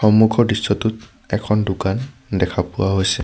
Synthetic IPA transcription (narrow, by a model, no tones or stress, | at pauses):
xɔmukʰɔdisːɔtʊt | ɛkʰɔndʊkan | dɛkʰapʊwaɦojsɛ